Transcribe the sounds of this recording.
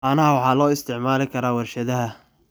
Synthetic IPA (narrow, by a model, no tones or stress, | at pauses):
aːnɐɦɐwɑħɑːlɔːɪst̪ʰɪʕmaːlɪkʰɐɾaːwɐrʃɐðɐɦɐ